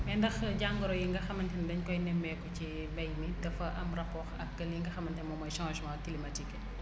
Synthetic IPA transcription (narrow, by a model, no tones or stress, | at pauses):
bɛndɐxɟaŋɡɔɾɔjiŋɡɐxɐmɐntɛndɐɲkɔjnɛmbɛkɔci | bɐjmidɐfɐʔɐmrɐpɔːɾɐ̰kːɐliŋɡɐxɐmːɐntɛnmɔmɐjʃãːʒmãtilematikːɛ